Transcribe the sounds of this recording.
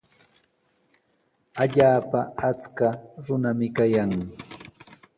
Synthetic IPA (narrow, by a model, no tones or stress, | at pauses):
aʎaːpaat͡skaɾʊnamɪkajaŋ